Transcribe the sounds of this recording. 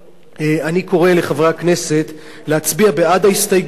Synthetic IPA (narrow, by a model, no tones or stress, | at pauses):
eaniko̞ʁe̞le̞χavʁeakne̞se̞t | le̞at͡sbiabead̪ahist̪ajɡ